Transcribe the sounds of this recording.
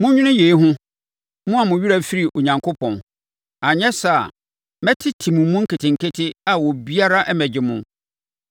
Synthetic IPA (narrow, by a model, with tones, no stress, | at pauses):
mʊ̃˦ɲᶣʊ̃˦nʊ̃˦jeː˨i˦ɦʊ̃˦ | mʊ̃˦a˨mʊ̃˨ɥi˦ɾa˦fi˦ɾi˨ʔo˨ɲã˨ŋkʰo˦pʰɔ̃˨n | a˨ɲɛ˦sa˨ | mɛ˦tʰɪ˦tʰi˨mʊ̃˨mʊ̃˦ŋ̩˦kʰɪ˨tʰɪ̃˨ŋ̩˨kʰe˦tʰɪ˦a˨wɔ˨bi˦a˦ɾa˦ʔɛ˦mɛ˨d͡ʑɪ˨mʊ̃˦